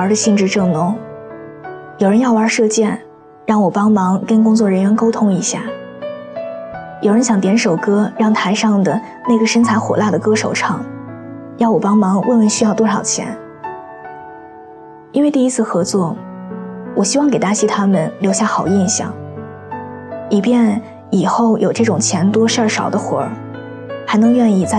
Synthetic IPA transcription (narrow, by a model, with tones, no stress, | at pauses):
ə˞˧˥d̪ə˧ɕi˥˧ŋʈ͡ʂɻ̩˥˧ʈ͡ʂɤ˥˩ŋnʊ˧˥ŋ | jo˨˩ʊɻə˧˥njɑ˥˩ʊwə˞˧˥ʂɤ˥˧t͡ɕjɛ˥˧n | ɻɑ˥˩ŋwɔ˨˩pɑ˥ŋmɑ˧˥ŋkə˥nkʊ˥ŋt͡swɔ˥˩ɻə˧˥nɥɛ˧˥nko˥ʊt̪ʰʊ˥ŋi˧˥ɕja̰˥˩ | jo˨˩ʊɻə˧˥nɕjɑ˨˧˩ŋt̪jɛ˧˥nʂo˨˩ʊkɤ˥ɻɑ˥˩ŋt̪ʰa˧˥ɪʂɑ˥˩ŋd̪ə˩ | ne˥˩ɡə˩ʂə˥nt͡sʰa˧˥ɪxwɔ̰˨˩la˥˩d̪ə˩kɤ˥ʂo˨˩ʊʈ͡ʂʰɑ˥˩˦ŋ | jɑ˥˩wɔ˨˩pɑ˥ŋmɑ˧˥ŋwʔe˥˩nwə˧˩nɕy˥jɑ˥˧ʊt̪wɔ˥ʂɑ˨˩ʊt͡ɕʰjɛ̰˧˥n | i˥nwɪi˥˧i˥t͡sʰɹ̩˥˩xɤ˧˥t͡swɔ˥˩ | wɔ˨˩ɕi˥wɑ˥˩ŋke˨˩ɪt̪a˥ɕi˥t̪ʰa˥mə˨nljo˧˥ʊɕja˥˩xɑ˨˩ʊi˥˧nɕjɑ̰˥˩ŋ | li˨˩pjɛ˥˩n | i˨˩xo˥˩ʊjo˨˩ʊʈ͡ʂɤ˥˩ʈ͡ʂʊ˨˩ŋt͡ɕʰjɛ˧˥nt̪wɔ˥ʂa˞˥˩ʂɑ˨˩ʊd̪ə˦xwɔ̰˨˧˥ | xa˧˥ɪnɤ˧˥ŋɥɛ˥˧ni˥˧t͡sa˥˩